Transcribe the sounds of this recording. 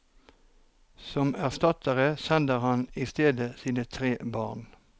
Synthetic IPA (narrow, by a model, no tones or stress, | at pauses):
sɔmæʁst̪ɑt̪əʁəsɛnd̪əʁhɑnist̪eːd̪əsiːnət̪ʰʁeːbɑːʁn